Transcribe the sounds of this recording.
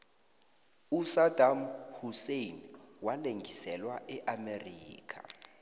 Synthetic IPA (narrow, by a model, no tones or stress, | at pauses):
usad̥ʱamhusejn | waleŋɡʱisɛlwaʔɛʔameriːkʰa̰